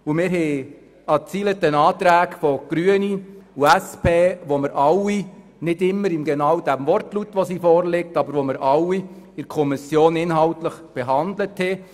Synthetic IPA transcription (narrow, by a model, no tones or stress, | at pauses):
umɪːɾɦɛ | ɑt͡siːlətənɑːt̪ɾæːkfɔɡ̥ɾyəniuæspʰeːʋoməɾʔɑwi | nɪdɪmːəɾɪmɡɛnɑwd̥æmvɔrtlutʋosiːfɔːɾlɪk̚tɑbəɾʋoməɾɑwi | ɪɾkʰɔmɪsjoːnɪnɦɑltləχb̥eɦɑnd̪ləthɛ